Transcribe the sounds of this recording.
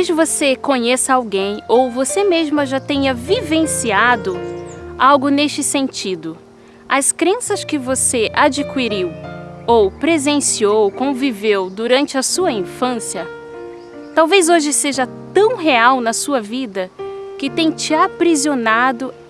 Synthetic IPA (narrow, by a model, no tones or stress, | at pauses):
poʒvosekõɲesɐawɡẽj̃owvosemezmʊʒat̪ẽɲɐvivẽsiad̪ʊawɡʊneʃt͡ʃɪsẽnt͡ʃid̪ʊ | ɐskɾẽsɐskɪvoseʔad͡ʒikwiɾiwowpɾezẽsiowkõvivewd̪uɾɐ̃nt͡ʃɪɐsuɐĩfɐ̃siɐ | t̪awvezoʒɪseʒɐt̪ɐ̃w̃ɦeawnɐsuɐvid̪ɐkɪt̪ẽj̃t͡ʃɪapɾizionad̪ʊ